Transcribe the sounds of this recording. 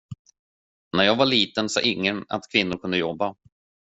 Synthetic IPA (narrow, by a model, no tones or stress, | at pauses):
næɾjɑːɡvaɭiːt̪ənsɑ̰ːʔɪŋːəna̰t̪kʰvɪnːʊɾkʰɵnd̪əjɔbːa